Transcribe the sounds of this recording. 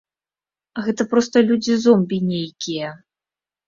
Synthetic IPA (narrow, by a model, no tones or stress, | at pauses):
ɣɛt̪ɐpɾɔst̪ɐlʲud͡zʲizɔmbʲinʲejkʲijɐ